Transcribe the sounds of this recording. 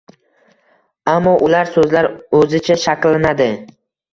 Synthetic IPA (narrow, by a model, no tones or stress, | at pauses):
amːɒʔʊlaɾsɵzlaɾɵzɪt͡ʃʰaʃaklanad̪ɪ